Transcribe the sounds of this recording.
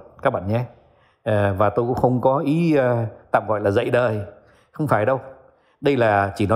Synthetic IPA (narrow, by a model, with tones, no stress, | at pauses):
kaː˦˥k̚ɓa̰ː˧˨nɲɛ˨˦ | ʔːvaː˨˩t̪o˧jkŋ͡mxə˧wŋ͡mkɔ˨˦ʔi˨˦˧t̪a̰ː˧˨mɣɔ̰˧˨jlaː˨˩zə̰˧˨jɗəː˨˩j | xə˧wŋ͡mfaː˧˩jɗə˧w | ɗə˧jlaː˨˩t͡ɕi˧˩nɔ˨˦